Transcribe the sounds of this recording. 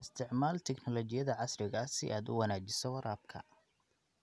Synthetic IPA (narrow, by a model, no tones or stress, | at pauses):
ɪst̪ʰɪʕmaːlt̪ʰɛɡnɔlɔt͡ʃɪjɐðɐʕɑsrɪɣɐsɪʔaːd̪ʊ̰wɐnaːt͡ʃɪsɔwɐɾaːb̚kʰɐ̰